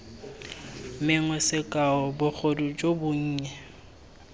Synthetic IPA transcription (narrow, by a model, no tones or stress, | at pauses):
mɪŋwɛsɪkʼaɔbʊk͡xʰodud͡ʒʼobʊɲ̩ːɲɛ